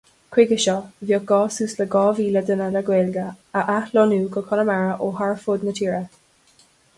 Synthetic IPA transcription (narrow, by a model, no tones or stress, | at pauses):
kʰwɪɡəʃɔvjɔɡ̥ɔːsuːsləɡɔːviːləd̪ənələɡweːlɡəəʔahlɔnuːkʰɔkʰɔnəmaɹəʔoɦaɹfʊd̪nət̪ʰiːɹə